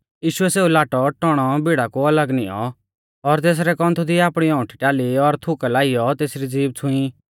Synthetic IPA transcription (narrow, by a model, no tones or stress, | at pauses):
jiːʃʊɛseːulaːʈɔʈɔɽ̃ɔbiɽakuɐləɡnɪjɔ̰ | ɔɾt̪eːs̬ɾɛkɔ̃nt̪ʰud̪ʱiaːpɽ̃iɔ̃ʊ̃ʈʰʈjaːliɔɾt̪ʰʊkɛlaːɪjɔt̪eːsɾid͡ziːb̚t͡sʰʊ̃ĩ